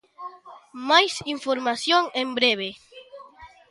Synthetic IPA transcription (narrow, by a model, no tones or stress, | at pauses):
majsiɱfoɾmasjoŋẽmbɾeβe